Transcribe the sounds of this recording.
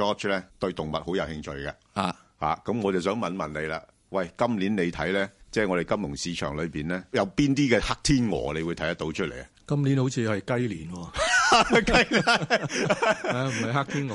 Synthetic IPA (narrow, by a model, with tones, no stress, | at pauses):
ɔː˥t͡ʃlɛː˥t̪ɵ˧ɥt̪ʊ˨ŋmɐ˨t̚ho˨˥wjɐ˨˧whɪ˧ŋt͡ʃʰɵ˨˧jkɐ˧ | aː˨ | ha̰ː˨kɐ˨˥mŋɔː˨˧t͡sɐ˨wsœː˨˥ŋmɐ˨nmɐ˨nle˨˧jla̰ː˧ | wɐ˨jkɐ˥mliː˨˥nne˨˧jt̪ʰɐ˨˥jlɛː˥t͡sɛː˥˩ŋɔ˨˧ɾe˨˩jkɐ˥mjʊ˨˩ŋsiː˨˧t͡ʃʰœ̰ː˨˩ŋlɵ˨˧ɥpiː˨nlɛː˥jɐ˨˧wpiː˥nt̪iː˥kɛː˧ha˥k̚t̪ʰiː˥nŋɔ̰ː˨˩le˨˧jwuː˨˧jt̪ʰɐ˥j̪ɐ˥t̪ːo˨˥wt͡ʃʰɵ˥t̚le˨˩jɐ˨kɐ˥mliː˨˥nho˨˥wt͡sʰiː˨˧hɐ˨jkɐ˥jliː˨˩nwɔː˧ | kɐ˥ja˥ | m̩˨ɐ˨jɦa˦˥k̚t̪ʰiː˥nɔ˨